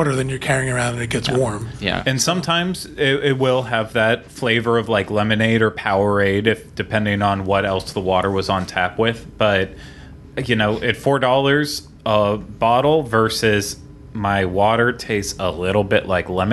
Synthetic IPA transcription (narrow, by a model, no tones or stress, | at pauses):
ɾə˞ðɨ̃njə˞kʰɛɹiɪ̃ŋə˞ãʊ̃ndɨnɨt̚ɡ̥ɛtswɔɹmjæ̰ɨ̃nsʌ̃mtʰãɪ̃mz̥ɪɪt̚wɪlˠɨvðɨtfleɪvə˞ʌvlaɪklɛmɨneɪɾə˞pʰaʊə˞eɪɾɨfd̥ɨpʰɛ̃ndɪ̃ŋə̃nwʌɾɛlˠsðəwɔɾə˞wʌzn̩tʰæpwɪð̥b̥ʌt̚ | jɨnoʊʔɪtfɔɹdɔlˠə˞z̥ | ʌb̥ɑɾl̩ˠvɜ˞sɪz̥ | maɪwɔɾə˞tʰeɪsəlɪɾl̩ˠbɪʔlaɪklɛ̃m